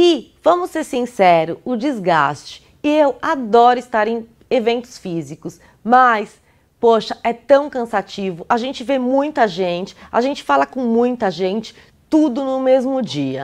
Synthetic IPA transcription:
ɪvɐ̃mʊsːeɾsĩsɛɾʊʊd͡ʒizɡa̰st͡ʃɪ̥ | ɪewad̪ɔɾʊist̪aɾẽj̃ | evẽnt̪ʊ̥sfizikʊs | mɐs | poʃɐʔɛt̪ɐ̃w̃kɐ̃sat͡ʃivʊʔaʒẽnt͡ʃɪvemũj̃t̪ɐʒẽnt͡ʃɪ̥a̰ʒẽnt͡ʃɪ̥falɐkõmũj̃t̪ɐʒẽnt͡ʃɪ̥ | t̪ud̪ʊnʊmezmʊd͡ʒiɐ̰

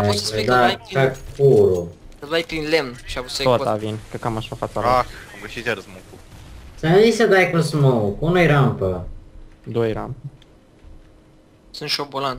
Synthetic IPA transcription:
ed̪akakuɾusəlajpɾinlemnʃiasot̪avinkəkamaʃafat̪aaamɡəʃit̪ʲjaɾəsmukusənnisəd̪ajkusmokunojɾampə | d̪ojɾampə | sɨnt̪ʃobolan

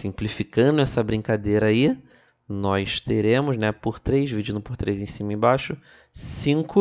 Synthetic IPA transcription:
sĩmplifikɐ̃d̪ʊɛsɐbɾĩŋkad̪ejɾɐai | nɔjst̪eɾẽmʊznɛpʊɾt̪ɾejzvid͡ʒĩnʊpʊɾt̪ɾejzẽj̃sĩmɐẽbaʃʊ | sĩkʊ

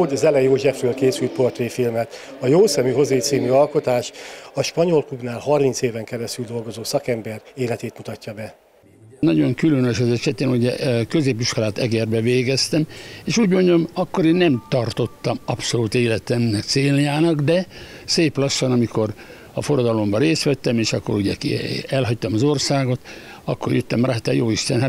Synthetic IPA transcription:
oɟɒzɛlɛjoːʒɛfrøːlkeːsylt̪̚po̞rt̪veːfilmɛt̪ | ɒjoːsɛmyɦo̞zeit̪siːmyɒlko̞t̪aːʃɒʃpɒɲolklubnaːlhɒrmint̪seːvɛŋkɛɾɛst̪yld̪o̞lɡo̞zoːsɒkɛmbɛreːlɛt̪eːt̪mut̪ɒcːɒbɛ | nɒɟo̞ŋkylønøʃɛzɛʃɛt̪eːnuɟɛkø̞zeːpiʃko̞laːt̪ɛɡɛrbɛveːɡɛst̪ɛmeːʃuːɟmo̞ɲdomɒkːo̞ɾeːnːɛmt̪ɒrt̪o̞t̪ːɒmɒpso̞luːt̪eːlɛt̪ɛmnɛkt̪seːnjaːnɒɡd̪ɛ | seːplɒʃːɒnɒmiko̞r | ɒ̰foɾɒd̪ɒlo̞mbɒɾeːst̪ʋɛt̪ːɛmeːʃɒkːo̞ɾuɟɛ̰kɛlɦɒct̪ɒmɒzo̞rsaːɡo̞t̪ | ɒkːorjøt̪ːɛmraːt̪aːjoːiʃt̪ɛnɦa

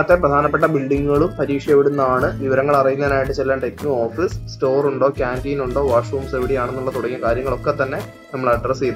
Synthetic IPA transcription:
ɐt̪ːeprɐd̪ʱaːnɐpːeʈːɐbiɭɖiŋːɡuɣɐɭumpɐɾiːkʂjɐʋiɽunːɐaːɳɨʋiʋɐɾɐŋːɐɭɐrijunːɐðnaːjiʈːɨt͡ɕelːaːɳɖeknuoːfisːto̞ːruɳɖo̞ːkʲaːndiːnuɳɖo̞ːʋaːʂruːmseʋiɽijaːɳenːuɭːɐt̪uɽɐŋːjɐkaːɾjɐŋːɐɭo̞kːe̞t̪ːɐnːe̞ | nɐmːɐɭɐɖrɐsejð

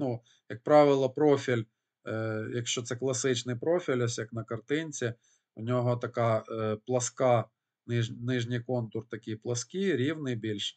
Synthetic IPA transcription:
nu | jɐk̚pɾɑʋʲɪlˠɐpɾɔfʲilʲ | jɐkʃt͡ʃːɔt̪sɛklˠɐsɪt͡ʃnɪjpɾofʲilʲɔsʲjɐknɐkɐrt̪ɪnʲt͡sʲɪ | unʲoɦot̪ɐkɑplˠɐskɑ | nɪnɪʒnʲijkɔnt̪ʊrt̪ɐkʲijplˠɐskʲiɾʲiwnɪjbʲilʲʃ

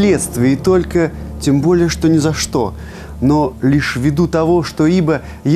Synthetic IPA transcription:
lʲɛt̪st̪vʲɐit̪ɔlʲkɐt͡sʲɛmbɔlʲɛjɛʂt̪ɔnʲɛzaʂt̪ɔ̰ | nɔlʲiʂvʲid̪ut̪avɔʂt̪ɔlibɐ | j

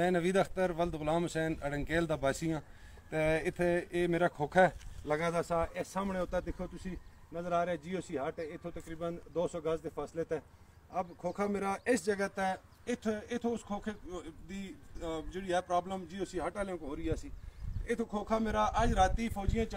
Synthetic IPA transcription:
mɛ̃ːnəʋiːd̪əkʰt̪əɾʋəld̪ɣʊlãːmɦʊsɛːnəɽəŋkeːld̪aːbaːsijãː | t̪eːɪt̪ʰːeːmeːɾaːkʰoːkʰaləɡãːd̪aːsaːʔeːsaːmɳeːʊt̪ːaːd̪ɪkʰoːt̪ʊsĩː | nəzəɾaːɾeaɛːd͡ʒiːoːsiːɦaːʈɛːɪt̪ʰːõːt̪əkɾiːbənd̪oːsɔːɡəsd̪eːpʰaːsleːt̪ɛː | əbkʰoːkʰaːmeːɾaːʔɪsd͡ʒəɡəːt̪eː | ɪt̪ʰɪt̪ʰːoːʊskʰoːkʰeːd̪iːd͡ʒeːɽiːɛːpɾaːbləmd͡ʒiːoːsiːɦaːʈaːleõkɦoːɾiːaːsiːɪt̪ʰːoːkʰoːkʰaːmeːɾaːʔəd͡ʒɾaːt̪iːpʰɔːd͡ʒɪjãːt͡ʃ

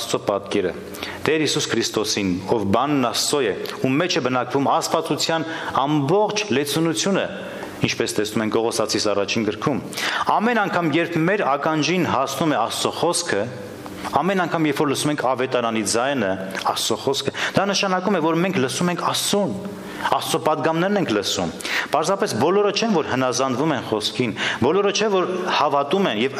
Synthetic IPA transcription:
st͡sɔpɑt̪kɛɾə̰ | t̪ɛɾhisuskʰɾist̪ɔsinɔvbɑnːɑsɔjɛumɛt͡ʃʰɛbənɑkvumɑspɑt͡sut͡sʰjɑnɑmbɔχt͡ʃʰlɛt͡sʰunut͡sʰjunə̰ | int͡ʃʰpɛst̪ɛsnumɛŋk̚ʰɡɔʁɔsɑt͡sʰisɑrɑt͡ʃʰinɡəɾkʰumɑmɛnɑŋkʰɑmjɛɾpʰmɛɾɑkɑnd͡ʒinɦɑsnumɛɑst͡sɔχɔskʰə | ɑmɛnɑŋkʰɑmjɛɾfɔɾləsumɛŋkʰɑvɛt̪ɑɾɑnid͡zɑjnəɑst͡sɔχɔskʰəd̪̥ɑnəʃɑnɑkumɛvɔɾmɛŋkʰləsumɛŋkʰɑst͡sun | ɑst͡sɔpɑd̪ɡɑmnɛɾnɛŋkʰləsṵmpɑɾzɑpɛsbɔlɔɾət͡ʃʰɛnvɔɾhənɑzɑnd̪vumɛnχɔskʰinbɔlɔɾət͡ʃʰɛvɔɾhɑvɑt̪umɛnjɛv

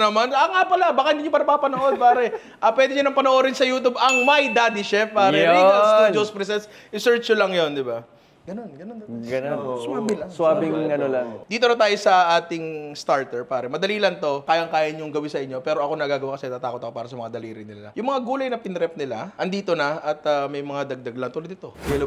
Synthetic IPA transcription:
nɐmanɐŋapɐlabaːkaʔɪnɡ̪ɪiɲʊpɐnɐpaːpɐnoʔo̞d̪̚paːɾɛ | ʔɐpwɛːd̪ɪɲʊnɐŋpɐnoʔoɾɪnsɐjuːt̪ubɐŋmɐjd̪ad̪ɪʃɛfpaːɾɛiaud͡ʒospɾɛs̬ɛnsɪsɛɹt͡ʃjolɐŋjo̞nd̪ɪba | ɡ̥ɐno̞nɡɐnond̪ɐɡɐnonosʊmaːbɪlɐŋaːbɪŋɐnolaŋd̪iːt̪onɐt̪̬aːjo̞sɐʔaːt̪ɪŋst̪aɹt̪ɛɹpaːɾɛmɐd̪ɐliːlɐnt̪o̞kaːjɐŋkaːjɐɲʊŋɡɐwisɐʔɪɲopɛːɾo̞ʔɐko̞nɐɡaːɡɐwakɐsɛnɐt̪aːt̪aːkot̪ɐko̞paːɾɐsɐmɐŋad̪ɐliːɾɪnːɪla̰jʊŋmɐŋaɡuːlɐjnɐpɪnɾɛp̚nɪla̰ʔɐnd̪iːt̪o̞nɐʔɐt̪amɐjmɐŋad̪ɐɡ̚d̪ɐɡlɐnt̪ulɐd̪ɪt̪o̞ɛl

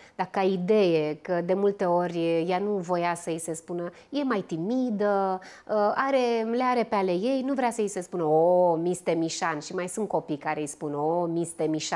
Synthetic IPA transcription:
d̪akaid̪e̞jekəd̪e̞mult̪e̞o̞rʲjanuvo̞jasəise̞spunə | je̞majt̪imid̪ə | aɾe̞leaɾe̞peale̞je̞jnuvɾeasəise̞spunəomist̪emiʃanʃimajsunt̪̚ko̞pijkaɾe̞jspunomist̪emiʃa

